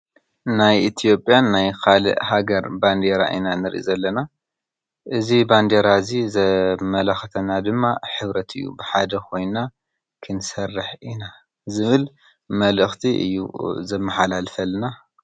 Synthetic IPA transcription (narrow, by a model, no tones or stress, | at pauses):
najʔit̪ʰijo̞pʼːjanːajkʰalɐ̰ʔhaɡɐɾband̪eɾa̰ʔḭnanɨɾʔḭzɐlːɐna | ʔɨziband̪eɾazizɐmɐlɐxɐt̪ʰɐnad̪ɨmːaħɨβɾɐt̪ʰɨjːṵbɨħad̪ɐkʰo̞jna | kʰɨnsɐrːɨħʔina | zɨβɨl | mɐlɨxt̪ʰiʔɨ̰jːṵzɐmːɐħalalfɐlna